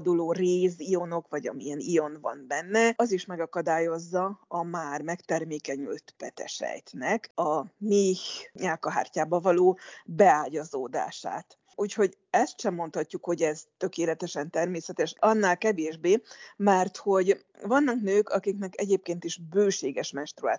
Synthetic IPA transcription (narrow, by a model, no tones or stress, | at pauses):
d̪uloːreːzijo̞no̞kʋɒɟɒ̰miɛnijo̞nvɒ̰nbɛnːɛʔɒziʃmɛɡɒkɒd̪aːjo̞zːɒɒmaːrmɛkt̪ɛrmeːkɛɲy̰lt̪pɛt̪ɛ̰ʃɛ̰jt̪nɛkɒmiɲaːkɒɦa̰ːrcaːbɒvɒloːbɛaːɟɒzoːd̪a̰ːʃa̰ːt̪ | uːcho̞ɟ | ɛst̪ʃɛmːo̞nt̪hɒcːukho̞ɟɛzt̪ø̞keːlɛt̪ɛʃɛnt̪ɛrmeːsɛt̪ɛʃɒnːaːlkɛveːʒbeːmɛrt̪ho̞ɟ | vɒnːɒknøːkʰɒkiknɛkɛɟeːp̚keːnt̪iʒbøːʃeːɡɛʃmɛnʃt̪rua̰ː